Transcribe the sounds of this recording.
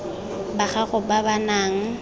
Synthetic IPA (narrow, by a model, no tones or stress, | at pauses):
baχaɣʊbabanaːŋ̩